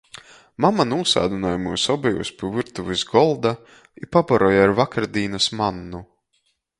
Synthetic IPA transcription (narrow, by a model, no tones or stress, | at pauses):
mamanuːsa̰ːd̪unajumuːsɔbɛjṵːspʲivɨɾt̪uvizɡɔlˠd̪a | ipabaɾɔjaɾvakaɾd̪iːnasmanːu